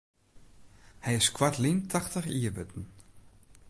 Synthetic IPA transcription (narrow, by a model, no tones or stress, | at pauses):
hɛjɪskwatlintʰaxtəχiəbøtn̩